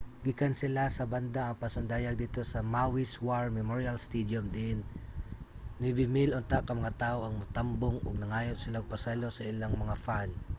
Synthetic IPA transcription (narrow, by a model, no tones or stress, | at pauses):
ɡɪkɐnsɪlasɐband̪aʔɐŋpɐsʊnd̪aːjɐɡ̚d̪iːt̪o̞sɐmawiswaɹmɛmoɹjalst̪id̪jomd̪in | mɪbɪmɪlʔont̪aʔkɐmɐŋat̪aːʔoʔɐŋmʊt̪amboŋʔoɡ̚nɐŋaːjot̪sɪlaɡ̚pɐsalo̞sɐɪlaŋmɐŋafan